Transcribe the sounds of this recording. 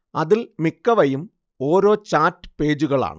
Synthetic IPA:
ɐðilmikːɐʋɐjum | o̞ːɾo̞ːt͡ɕaːtːɨ̥pe̞ːd͡ʑuɣɐɭa̰ːɳɨ

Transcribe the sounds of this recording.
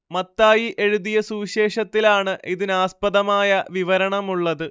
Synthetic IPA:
mɐt̪ːaːjiʔe̞ɻuðijɐsuːiɕe̞ːʂɐt̪ːilaːɳɨʔiðinaːspɐðɐmaːjɐʋiʋɐɾɐɳɐmuɭːɐðɨ

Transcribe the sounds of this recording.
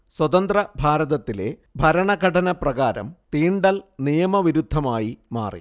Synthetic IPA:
swɐt̪ɐnd̪rɐbʱaːɾɐðɐt̪ːile̞̰bʱɐɾɐɳɐɡɐʈɐnɐprɐɣaːɾɐ̰mt̪iːɳɖɐlnijɐmɐʋiɾud̪ʱːɐmaːjima̰ːrḭ

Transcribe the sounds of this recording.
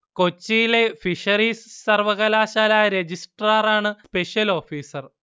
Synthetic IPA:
ko̞t͡ɕːijile̞fiʂɐɾiːsːɐrʋɐɣɐlaːɕaːlaːjɐɾed͡ʑisʈraːraːɳɨspe̞ʂjɐlo̞ːfiːsɐr

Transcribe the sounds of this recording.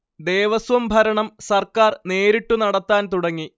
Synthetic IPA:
d̪e̞ːʋɐsʋɐmbʱɐɾɐɳɐmsɐrkaːrne̞ːɾiʈːunɐɽɐt̪ːaːnt̪uɽɐŋːi

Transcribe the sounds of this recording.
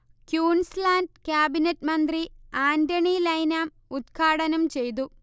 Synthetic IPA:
kjuːɳslaːndkjaːbinɐtːmɐnd̪riaːndɐɳilɐjnaːm | ut̪kʰaːɽɐnɐmt͡ɕe̞jt̪̬u

